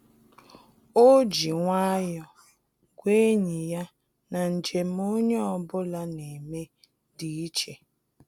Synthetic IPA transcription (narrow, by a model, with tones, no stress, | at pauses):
o˦d͡ʒi˨ŋʷa˦jɔ˨ | ɡʷe˦ɲi˨ja˦ | na˨n̩˨d͡ʒe˨m̩˦o˦ɲe˦ɔ˨bʊ˦la˦ne˨me˦ | di˨i˦t͡ʃe˨